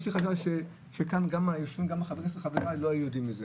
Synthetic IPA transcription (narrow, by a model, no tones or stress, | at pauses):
ʃiχaʃavʃe | ʃekanɡamajoʃvimɡameχaveʁesleχaveʁaloajujodimeze